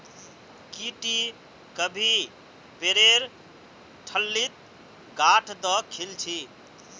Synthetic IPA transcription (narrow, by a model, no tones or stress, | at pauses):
kiʈi | kəbʱi | peɾeɾ | ʈʰəlːit̪̚ | ɡaʈʰd̪ɔkʰilt͡ʃʰi